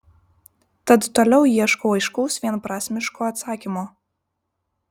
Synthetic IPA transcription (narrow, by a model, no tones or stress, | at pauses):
t̪ɐt̪t̪olʲɛʊjiɛʃkoʊɐɪʃkɔʊsʋʲiɛnpɾɑːsʲmʲɪʃkoːɐt̪sɑːkʲimo